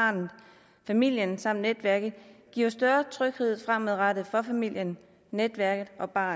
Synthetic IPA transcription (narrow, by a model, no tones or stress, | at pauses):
nð̩ˠ | fæmil̰jənsɑ̈m̰d̥ned̥ʋæɐɡ̥ð̩ˠɡ̥ḭːɐʊsd̥ɶɐt͡sʰʁœɡ̥he̝ð̞̰ˠfʁam̰eðˠʁad̥ð̩ˠfɒ̽fæmil̰jən | ned̥ʋæɐɡ̥ð̩ˠɒ̽b̥ɑ̰̈ː